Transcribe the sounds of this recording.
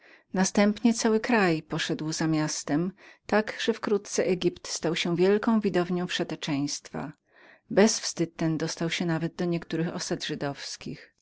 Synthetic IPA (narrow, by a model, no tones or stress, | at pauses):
nast̪ɛmpɲɛt̪sawɘkɾajpɔʂɛd̪wzamʲjast̪ɛmt̪aɡʐ̥ɛfkɾut̪t̪sɛʔɛɡʲipt̪st̪awɕɛvʲjɛlkɔ̃w̃vʲid̪ɔvɲɔ̃w̃pʂɛt̪ɛt͡ʂɛ̃j̃st̪fa̰ | bɛsfst̪ɘt̪̚t̪ːɛnd̪ɔst̪awɕɛnavɛd̪̚d̪ɔɲɛkt̪uɾɘxɔ̰sad̪ʐɘd̪ɔfskʲix